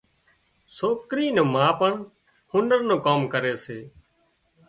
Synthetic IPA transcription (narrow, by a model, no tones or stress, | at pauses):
soːkɾiːnõːmãːpəɳ | hʊ̃nɖəɾnõːkoːmkəɾeːseː